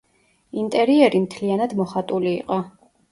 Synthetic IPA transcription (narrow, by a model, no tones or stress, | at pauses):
int̪ʼɛɾiɛɾimt̪ʰlianad̪mɔχat̪ʼuliːqʼɔ